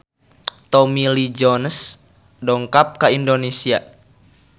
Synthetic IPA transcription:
t̪ɔmilid͡ʒɔns | dɔŋkap̚kaindonesia

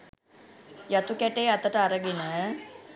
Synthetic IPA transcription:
jɐt̪ukɛʈeːɐt̪əʈəaɾəɡinə

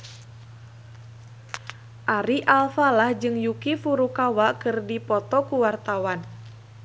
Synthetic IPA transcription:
ʔaɾiʔalfalahd͡ʒɨŋjukifuɾukawakɨrdipɔt̪ɔkuwart̪awan

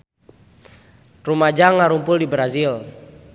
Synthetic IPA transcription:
rumad͡ʒaŋːaɾumpʊldibɾazil

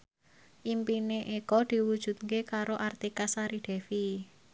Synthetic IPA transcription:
ʔimpineʔekɔd̪̥i̤wud̥ʒ̥ṳt̪̚kekaɾoʔart̪ikasaɾiɖ̪̥ɛ̤fi

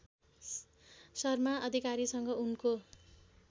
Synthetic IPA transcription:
sʌrmaʔʌd̪ʱikaɾisʌŋɡʌunko

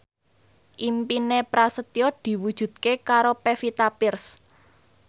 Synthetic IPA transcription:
ʔimpinepɾasət̪iɔd̪̥i̤wud̥ʒ̥ṳd̪̥̚kekaɾopefit̪apɪrs

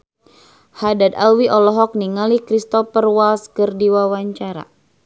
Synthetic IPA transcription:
hadad̪alwiʔɔlɔɦɔk̚niŋalikɾist̪ɔpərwalskɨrdiwawaɲt͡ʃaɾa̰

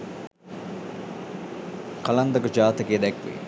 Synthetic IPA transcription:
kɐlɐnd̪ɐkəd͡ʒaːt̪əkeːd̪ɛkʋḛ

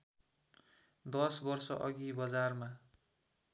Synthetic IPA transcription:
d̪ʌsbʌrsʌʔʌɡibʌd͡zarma

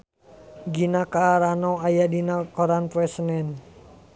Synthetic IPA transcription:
ɡinakaɾanɔajadinakɔɾanpɛsənɛn

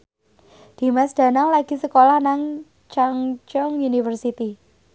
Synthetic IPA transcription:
d̪̥i̤masd̥a̤naŋlaɡ̥isəkolahnaŋ | t͡ʃaŋt͡ʃɔŋunifərsit̪i

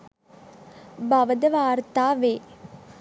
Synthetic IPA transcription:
bɐʋəd̪əʋaːɾt̪aːʋeː

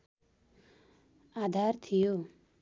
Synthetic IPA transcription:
ad̪ʱaɾt̪ʰijo

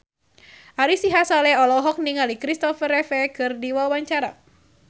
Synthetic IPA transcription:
ʔaɾisiɦasalɛɔlɔɦɔk̚niŋalikɾist̪ɔfəɾɛfɛkɨrdiwawaɲt͡ʃaɾa̰

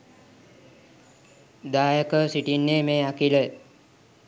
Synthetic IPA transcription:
d̪aːjəkəsiʈinːeːmeːakilə

